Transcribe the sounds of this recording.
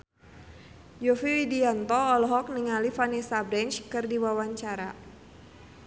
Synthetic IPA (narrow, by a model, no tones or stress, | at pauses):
d͡ʒɔfiwidiant̪ɔːlɔɦɔk̚niŋalifanisabɾɛnt͡ʃkɨrdiwawaɲt͡ʃaɾa